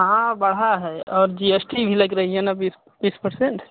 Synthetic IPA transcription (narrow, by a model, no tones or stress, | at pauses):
ɦɦãbəɽ̤ɦaɦɛɔːɾd͡ʒiesʈibʱiləɡɾəɦiɦɛnabis | bispəɾseɳʈ